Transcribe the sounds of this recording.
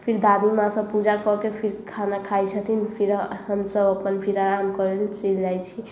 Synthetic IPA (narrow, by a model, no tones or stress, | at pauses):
pʰiɾd̪ad̪imãsəbpud͡ʒakɔkepʰiɾkʰanakʰajt͡ʃʰət̪ʰinpʰiɾɦəmsəbəpənpʰiɾaɾamkəɾelt͡ʃild͡ʒajt͡ʃʰi